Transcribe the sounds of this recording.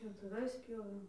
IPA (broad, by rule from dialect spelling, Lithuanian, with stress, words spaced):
pʲjɛʊtʊˈʋɐɪs ˈpʲjoːʋʲeːm